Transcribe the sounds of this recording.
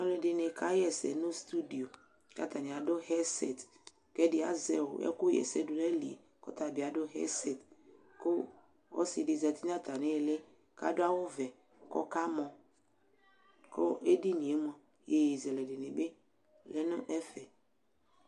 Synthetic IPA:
nɔ˨lɛ˨dɪ˨ne˨kʰa˦jɛ˨sɛ̰˨nʊ̃˦st̪u˦di˨o˨ | ka̰˦t̪a˨nɪ̃˨a˨dʊ˦hɛ˦sɛ̰˨t | kɛ˦dɪ˨˦a˦zɛ˨wʊ̰˨ɛ̰˦kʊ˦jɛ̰˨sɛ˦dʊ˨lɛ˦li˨ḛ˨ | kɔ̰˦t̪a˨bɪ˨a˨dʊ˦ɦɛ̰˦sɛ˨t | kʊ˦ | ɔ̰˦sɪ˨dɪ˨zɛ˨t̪i˦n˦a˦t̪a˨nɪ˦˨lɪ˦ | ka̰˦dʊ˦a˦wʊ˦vɛ˨ | kɔ̰˦ka˦mɔ̃˨ | kʊ˦e˦di˦nĩ˨e˦m˦ɔ˨ | je˨ji˨zɛ˨lɛ˨dɪ˨nɪ˨be˦ | lɛ˦nʊ̃˦ʔɛ˦fɛ˨

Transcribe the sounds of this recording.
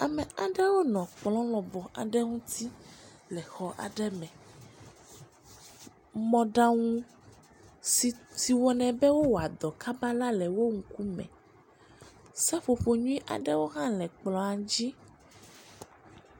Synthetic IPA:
a˨mɛ̃˨a˨ɖɛ˦wo˦nɔ̃˨k͡plɔ̃˦lɔ̃˨bɔ˨ʔa̰˨ɖɛ˦ŋũ˦t̪ʰi˦lɛ˨xɔ˨ʔa̰˨ɖɛ˦mɛ̃˨ | mɔ̃˨ɖa˦ŋũ˦ | i˨˦si˨wɔ˨nɛ̃˨bɛ˦wo˦wo˨a˨d̪ɔ˨ka˦ba˦la˦lɛ˨wo˦ŋ̩˨ku˦mɛ̰̃˨ | sɛ˦ɸo˨ɸo˨ɲũ˦i˦ʔa̰˨ɖɛ˦wo˦ɦã˦lɛ˨k͡plɔ̃˨a˨d͡ʑi˦

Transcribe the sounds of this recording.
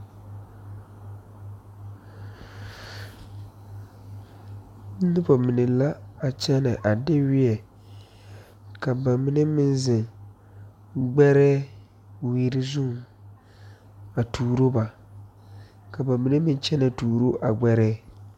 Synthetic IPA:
nɨ˦bɔ˨mɪ˨nɛ˨la˦a˨t͡ʃɛ˦nɛ˨ʔa˨dɪ˦wɪ˦ɛ˨ | ka˨ba˨mɪ˦nɛ˦mɪ˦nzɪ˨ŋ | ɡ͡bɛ˦ɾɛː˦ | wiː˦ɾɪ˦zu˦˨ | a˨tʰuː˨ɾo˦ba˨ | ka˨ba˨mi˦ne˦mɪ˦nt͡ʃɛ˦na˨tuː˨ɾo˦ʔa˨ɡ͡bɛ˦ɾɛː˦

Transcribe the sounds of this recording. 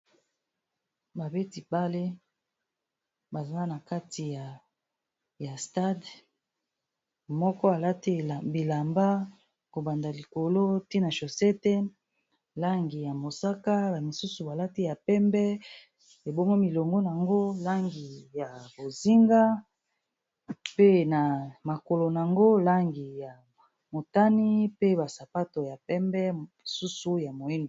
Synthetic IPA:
ba˨be˦ti˨ba˦le˦ | ba˨za˦na˨ka˦ti˨ja˨ | ja˨sta˦d | mɔ˦kɔ˦a˨la˦ti˦˨bi˨la˨mba˦ | ko˨ba˨nda˨li˨ko˨lo˦te˦na˨ʃo˨sɛ˦tɛ˦ | la˦ŋɡi˨ja˨mo˨sa˦ka˦ba˨mi˨su˦su˨ba˨la˦ti˦ja˨pɛ˦mbɛ˦ | e˨bo˦ŋɔ˦mi˨lɔ˨ŋɡɔ˦n˨a˨ŋɡo˦la˦ŋɡi˨ja˨bo˨zi˦ŋɡa˦ | pe˦na˨ma˨ko˨lo˨n˨a˨ŋɡo˦la˦ŋɡi˨ja˨ | mo˨ta˦ni˦pe˦ba˨sa˨pa˦to˨ja˨pɛ˦mbɛ˦i˨su˦su˦ja˨mo˨i˦no˨

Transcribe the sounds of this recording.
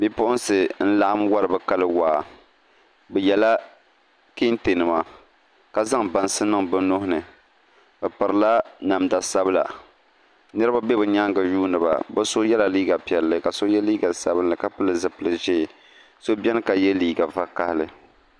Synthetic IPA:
bi˦pʊ˦ʔʊ˦nsɨ˨n̩˦la˦ʔa˦mwa˦ɾɨ˨bɛ˦ka˦lɨ˦waː˨ | bɛ˨jɛ˨la˦ | ki˦n˦te˨nɨ˨ma˨ | ka˦za˦ŋba˨n˨sɨ˦nɨ˦ŋbɨ˦nːo˦hʊ˦nɨ˨ | bɛ˨pɨ˨ɾɨ˨la˦na˨mda˨sa˦bɨ˦la̰˨ | nɨ˦ɾɨ˦ba˦bɛ˦bɨ˨ɲa˦ŋɡɨ˨juː˦nɨ˨ba̰˨bɛ˦so˦jɛ˦la˨liː˦ɡa˨pi˨ɛ˨lːɨ˦ka˨so˦jɛ˦liː˦ɡa˨sa˦bɨ˦nlɨ˨ka˦pɨ˦lɨ˨zɨ˨pɨ˨lɨ˨ʒe˦˨ | so˦bʲɛ˦nɨ˦ka˨jɛ˦liː˦ɡa˨va˦ka˦hlɨ˦

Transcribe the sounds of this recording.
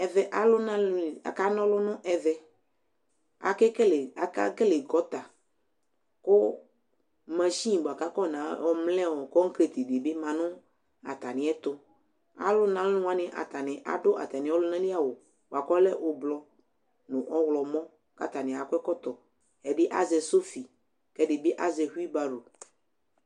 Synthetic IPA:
ɛ˨vɛ˦ʔa˨lʊ˦nã˦la̰˨ka˦nɔ̃˦lʊ˦nʊ̃˦ʔɛ˨vɛ˦ | a̰˨kɛ˦kɛ˦la˨ka̰˦kɛ˦le˨ɡɔ˨˦t̪a˨ | kʊ˦ | mã˨ʃi˦˨bo˨a˨ka˦kɔ˦˨nã˨˦ɔ˨mlɛ̃˦wɔ˨kɔ˦ŋ̩˦kɾe˨t̪i˨de˨bɪ˦mã˨nʊ̃˦ | a̰˨t̪a˨nɪ̃˨˦ɛ˦t̪ʊ˨ | a̰˨lʊ˦nã˨˦lʊ̃˦a˦nɪ̃˨ʔa̰˨t̪a˨nɪ̃˨ʔa̰˨ɖo˦ʔa̰˨t̪a˨nɪ̃˨˦wɔ˦lo˦nã˦ni˦a˨wo˨ | ba˨kɔ˦lɛ˦ʔo˨blɔ˦ | nʊ̃˨ʔɔ˦wlɔ˨mɔ̃˦ | ka̰˦t̪a˨nɪ̃˨a˨kʷɛ˦kɔ˦t̪ɔ˨ | ɛ˨ɖe˦ʔa˦zɛ˨so˦fi˨ | kɛ˦ɖe˨be˦ʔa˦zɛ˨ɦu˦i˦ba˨ɖo˨

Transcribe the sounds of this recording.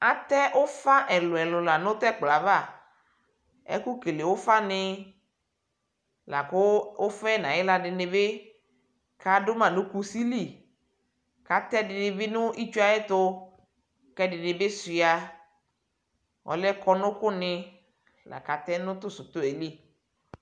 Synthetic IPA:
a˨t̪ɛ˦ʔʊ˦fa˦ʔɛ˨lʊ˨ɛ˨lʊ˨la˨nʊ̃˦t̪ɛ˦k͡pla˨va˦˨ | ɛ̰˦kʊ˦ke˨le˨wʊ˦fa˦nɪ˦ | la˨kʊ˦ʊ˦fɛ˦nã˨ɪ˦la˨dɪ˨nɪ˨bɪ˦ | ka˨dʊ˦mã˨nʊ̃˦ku˦si˦li˦˨ | ka˨t̪ɛ˦dɪ˨nɪ˨bɪ˦nʊ˦ʔi˦t͡ʃu˦a˨ɛ˦t̪ʊ˦ | kɛ˦dɪ˨nɪ̃˨bɪ˦sɪ˨a˨ | ɔ̰˨lɛ˦kɔ˦nʊ̃˦kʊ˦nɪ˦ | la̰˨ka˨t̪ɛ˦nʊ̃˦t̪ʊ˦sʊ˨t̪ʊ˦e˨li˦

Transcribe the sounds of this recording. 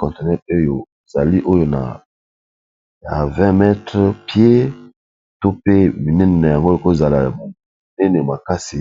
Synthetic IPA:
kɔ̃˨nte˨nɛ˦o˦jo˨z̥a˨li˦ʔo˦jo˦na̰˨ | ja˨vɛ̃˦mɛ˦tʁpje˦ | to˦pe˦mi˨nɛ˦ne˨na˨ja˨ŋɡo˦o˨ko˦˨za˨la˨m˨ | nɛ˦ne˨ma˨ka˦si˨

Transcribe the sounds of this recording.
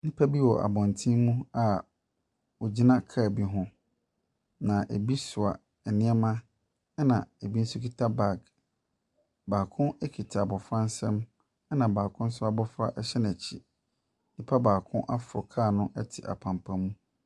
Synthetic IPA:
nɪ̃˦pʰa˦bi˦wɔ̰˨ʔa̰˨bɔ̃˨ntʰĩ˦mũ˦a˨ | wɔ˨d͡ʑi˦nã˦kʰa˦˨bi˨ɦʊ̃˦ | nã˨ʔe˨bi˦sʊ˨a̰˨ | ɛ˨nɪ̃˦ɛ˦mã˦ | ɛ˦nã˨e˨bi˦n̩˦sʊ˦ki˦tʰa˦ba˨ɡ | baː˨kʰʊ̃˦nɛ˦kʰi˨tʰa˨bɔ˨fɾã˦n̩˦sɛ̃˦m | ɛ˦nã˨baː˨kʰʊ̃˦n̩˦s̬ʊ˦a˨bɔ˦fɾa̰˦ʔɛ˦ɕɛ˦n˨æ˨t͡ɕʰḭ˦˨ | nɪ̃˦pʰa˦baː˨kʰʊ̃˦ʔa˦fʊ˨ɾʊ˨kʰaː˦˨nʊ̃˦ʔɛ˦tʰɪ˨ʔa̰˨pʰã˨mpʰã˨mũ˦

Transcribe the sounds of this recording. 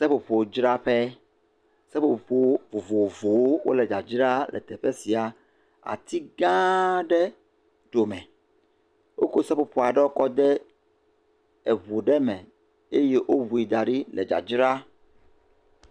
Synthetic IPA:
sɛ˦po˨ɸo˨˦d͡ʒɾa˦ɸɛ˦ | sɛ˦po˨po˨ɸo˦wvo˨vo˨vo˨wo˦wo̰˦lɛ˨d͡ʒa˨d͡ʒɾa˦lʔɛ̰˨t̪ɛ˨ɸɛ˦si˨a˨ | a̰˨t̪i˦ɡã˦ɖɛ˦ | ɖo˨mɛ̃˨ | wo˦ko˦sɛ˦po˨ɸɔ˨a˨ɖɛ˦wo˦kɔ˦d̪ɛ˦ | ɛ˨βo˨ɖɛ˦mɛ̃˨ | e˦je˦ʔo˦βu˨i˨d̪a˨ɖi˦lɛ˨d͡ʒa̰˨d͡ʒɾa˦

